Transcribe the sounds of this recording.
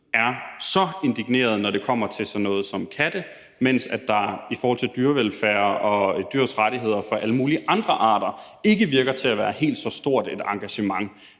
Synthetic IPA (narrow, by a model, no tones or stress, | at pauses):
æɐsɒ̽e̝nd̥iɡ̥ne̝̰ːɐð̞ˠnɒɾe̝kʰɒ̽m̰ɐt͡sʰe̝lsɒ̽nɔ̽ːð̩ˠsɒ̽mkʰæd̥ə | men̰sæd̥ɑ̈ifɒhɒ̽lt͡sʰe̝ld̥yɐʋelfæːɐʔɒ̽d̥yːɐ̰sʁaɾ̥iɦe̝ð̞̰ˠɐfɒ̽ʔæləmuːliʔɑ̈nd̥ʁɐʔɑ̰̈ːd̥ɐe̝ɡ̥əʋiɐɡ̥ɐt͡sʰe̝æʋæːɐhe̝̰ːld̥sɒ̽sd̥o̝ɐ̰d̥e̝d̥ɑ̈ŋɡ̥æɕəmɑ̈ŋ